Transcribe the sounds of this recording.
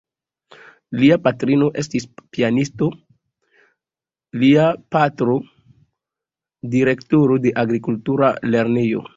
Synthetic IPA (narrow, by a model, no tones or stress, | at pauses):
liapatɾino̞ʔe̞stispianisto̞ | liapatɾo̞ | diɾe̞ktoɾode̞ʔaɡɾikultuɾa̰le̞ɾnejo̰